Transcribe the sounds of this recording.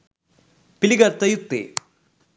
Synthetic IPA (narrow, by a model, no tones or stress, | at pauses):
piliɡɐɾt̪ɐjut̪ːḛ